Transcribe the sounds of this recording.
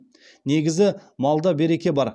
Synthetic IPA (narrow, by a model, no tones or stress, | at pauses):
ne̞ɡʲɪzɪmɑlˠd̪ɑbe̞ɾe̞kʲe̞bɑɾ